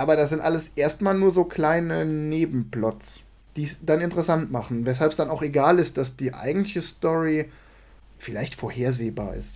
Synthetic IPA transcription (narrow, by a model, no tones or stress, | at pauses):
ʔaːbɐɾasz̥ɪntʔaləsʔeːɐstmaːlnuːɐzoːkl̥aɪnəneːbm̩plɔt͡s | d̥iːsd̥anɪntəʁɛsantmaχn̩vɛs̬halpsd̥anaʊxeɡaːlɪst̚d̥asd̥iːʔa̰ɪɡŋ̩tlɪçəstɔʁi | fɪlaɪçtfoːɐheːɐzeːba̰ːɐʔɪ̰st